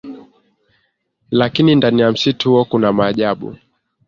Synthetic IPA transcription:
lakinindanijam̩situhuɔkunamaːʄaɓṵ

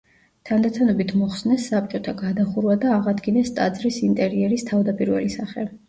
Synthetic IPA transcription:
t̪ʰand̪at̪ʰanɔbit̪ʰmɔχsnɛsːap̚ʼt͡ʃʼɔt̪ʰaɡad̪aχuɾvad̪aːʁad̪ɡinɛst̪ʼad̪zɾisint̪ʼɛɾiɛɾist̪ʰavd̪apʼiɾvɛ̰lisaχɛ

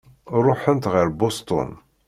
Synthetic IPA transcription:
ɾˤʊħənt̪ʁəɾbost̪ʊ̰n

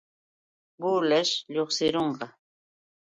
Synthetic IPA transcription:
buːlaʃʎoχsɪɾoɴɢɑ

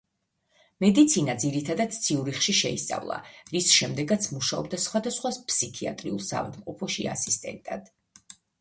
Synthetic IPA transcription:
mɛd̪it̪sʰinad̪ziɾit̪ʰad̪ad̪̚t̪sʰiuɾiχʃiʃɛist̪sʼa̰vlˠa̰ɾisʃɛmd̪ɛɡat̪sʰmuʃaɔb̚d̪asχwad̪asχwaspʰsikʰia̰t̪ʼɾiulˠsa̰va̰d̪mqʼɔpʰɔʃia̰sist̪ʼɛ̰nt̪ʼad̪̥

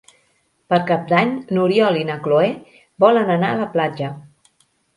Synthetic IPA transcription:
pəɾkap̚d̪aɲnuɾiɔlinəkloe | bɔlənənaələplad͡ʒə

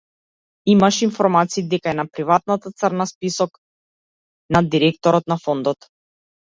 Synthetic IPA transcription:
imaʃinfɔɾmat̪siːd̪ɛkaɛnapɾivat̪̚nat̪at̪sərnaspisɔk | nad̪iɾɛkt̪ɔɾɔt̪nafɔnd̪ɔt̪

